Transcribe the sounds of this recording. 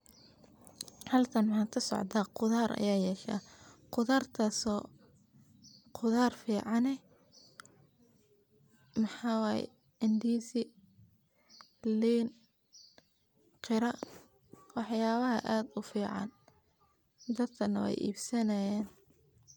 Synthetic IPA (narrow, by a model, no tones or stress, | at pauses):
hɐlt̪ʰɐnmħaːt̪kʰɐsɔ̰ʕd̪ʰaːqʊðaːrʔɐ̰jaːjɛːʃa̰ːqʊðaːrt̪ʰɐsɔː | qʰʊðaːrfiːʕɑnɛ | mɑħɑːwaːjɛ̰ | ɪnd̪iːsi | liːn | qʰɪɾɐ | wɑħjaːβɐɦɐʔaːd̪ʊfiːʕɑ̰n | d̪ɐd̪kʰɐnɐwɛ̰jʔḭːbsɐnɐjɛːn